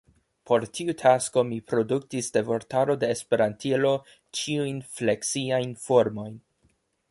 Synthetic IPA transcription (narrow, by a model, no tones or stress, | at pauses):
pʰo̞ɾtʰiutʰasko̞mipɾo̞duk̚tisde̞vo̞ɾtaɾo̞de̞ːspe̞ɾantʰilo̞ | t͡ʃiujnfle̞ksiajnfo̞ɾmo̞jn